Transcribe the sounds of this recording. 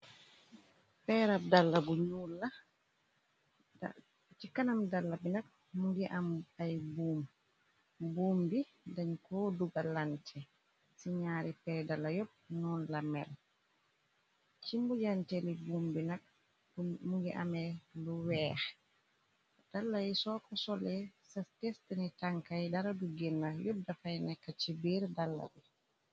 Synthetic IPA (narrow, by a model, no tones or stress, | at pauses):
pɛɾab̚dalːabuɲulːa | t͡ʃikanamdalːabinak̚ | muɡiʔamajbuːm | buːmbi | daɲkɔduɡalantʰɛ | siɲaːɾipɛɾdalːajɔp̚nunlamɛ̰l | t͡ʃimbud͡ʒantɛlibumbinak̚ | muɡɛʔa̰mɛluwɛːxɛ | d̥alːajisɔkɔsɔlɛsastɛstɛnɛtaŋkajdaɾaduɡɛnːajodːafajnɛkːat͡ʃibiɾdalːa̰di